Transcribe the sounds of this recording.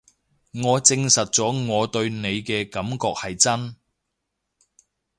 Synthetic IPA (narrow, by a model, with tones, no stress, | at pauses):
ŋɔː˨˧t͡sɪ˧ŋsɐ˨t̚t͡sɔː˨˥ŋɔː˨˧t̪ɵ˧ɥne˨˧jkɛː˧kɐ˨˥mkɔː˧k̚hɐ˨jt͡sɐ˥n